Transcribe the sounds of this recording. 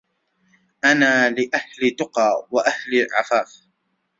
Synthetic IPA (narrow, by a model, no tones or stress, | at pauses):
ʔanaːlɪʔahlɪt̪ʊqɑːwaʔahliʕa̰faːf